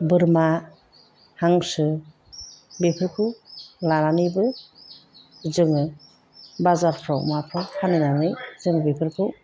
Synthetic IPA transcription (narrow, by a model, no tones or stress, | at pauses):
bɯɾma | haŋsɯ | bipʰɯɾkʰɯwlaɾanɯjbɯ | zɯŋɯ | bazaɾpʰɾawmapʰɾawhʰanɯnanɯjzɯŋbipʰɯɾkʰɯw